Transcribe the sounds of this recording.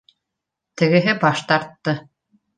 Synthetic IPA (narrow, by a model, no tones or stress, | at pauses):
t̪ɘ̆ɡɘ̆ɦɘbɑʃt̪ɑɾt̪ːɤ